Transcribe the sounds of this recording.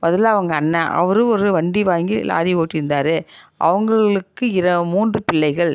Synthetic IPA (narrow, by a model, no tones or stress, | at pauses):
bɐðɯlaːɐʋɐŋɡɐːnːɐʔɐ̰ʋɐɾɯɔɾɯʋɐɳɖiʋaːŋɡila̰ːɾioːʈːɪɾɯnd̪aːɾɯʔɐ̰ʋɐŋɡɐɭɯkːɯɪɾɐmuːndrɯpɪɭːɐɪɣɐɭ